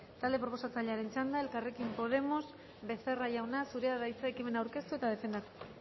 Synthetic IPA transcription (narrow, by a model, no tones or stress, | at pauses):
t̪ald̪e̞pɾo̞po̞sat͡saʎeaɾe̞nt͡ʃand̪ae̞lkare̞kimpo̞ð̞e̞mos | βe̞θe̞raʝawnasuɾeaðajt͡saekime̞nawɾke̞st̪ue̞t̪aðe̞fe̞nd̪at̪u̥